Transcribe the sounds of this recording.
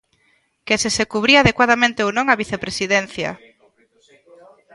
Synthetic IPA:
kesesekuβ̞ɾiaðekwaðamẽnt̪eownõŋaβiθepɾesiðɛnθjɐ̰

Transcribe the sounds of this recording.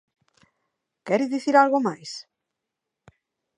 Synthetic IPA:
kɛɾiðiθiɾalɣomajs

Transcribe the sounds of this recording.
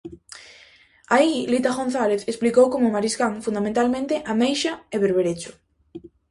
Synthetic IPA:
ailit̪aɣon̟θaleθesplikowkomʊmaɾisɣaŋfund̪amẽnt̪almẽnt̪eʔamejʃaeβeɾβeɾet͡ʃʊ̥

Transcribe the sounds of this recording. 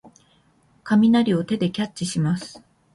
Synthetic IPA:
kamʲinaɾʲio̞t̪e̞d̪e̞kʲat͡ɕt͡ɕːiɕimasɨ̥

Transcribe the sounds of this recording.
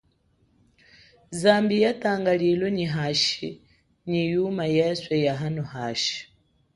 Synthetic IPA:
zambijataːŋɡalilwɔɲiɦaʃi | ɲijumajɛswɛjaɦanɔhaːʃi̥

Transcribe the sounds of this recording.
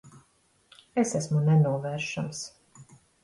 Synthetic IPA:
esæsmunɛnuɔvæɾʃams

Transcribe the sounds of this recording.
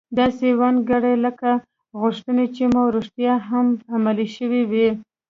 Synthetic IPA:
d̪ɑsewanɡaɽajləka | ɣʊʂt̪ənet͡ʃimawɾoʃt̪jɑɦamamaliʃəwiwi

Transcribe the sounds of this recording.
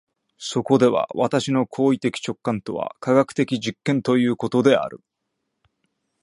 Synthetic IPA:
so̞ko̞d̪e̞βa̰βat̪aɕino̞kʰo̞ːit̪e̞kʲi̥t͡ɕo̞kːãnt̪o̞βa̰kaɡakɯ̥t̪e̞kʲiʑikːẽ̞nt̪o̞jɯ̟ːko̞t̪o̞d̪e̞a̰ɾɯ̟̰

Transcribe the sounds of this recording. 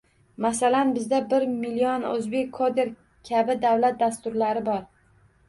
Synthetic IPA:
masalanbɪzd̪abɪɾmiliɒnɵ̰zbe̞kʲʰːod̪e̞ɾ | kʲʰabɪd̪awlat̪̚d̪ast̪ʊɾlaɾɪbɒɾ

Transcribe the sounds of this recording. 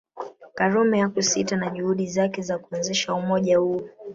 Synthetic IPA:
kaɾɔmɛjakusitanaʄuhuɗizakɛzakuɔnzɛʃaumɔʄahu

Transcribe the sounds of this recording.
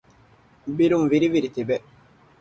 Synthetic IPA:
biɾuŋviɾiviɾit̪ibɛ

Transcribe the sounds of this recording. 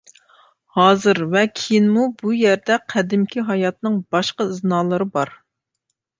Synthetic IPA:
hɑːzɨɾvɛkʲʰejinmubujɛɾd̪ɛqʰæd̪ɪmkʲʰiɦɑjɑt̪̚nɨŋb̥ɑʃqɑɨznɑːlˠɨɾɨbɑɾ

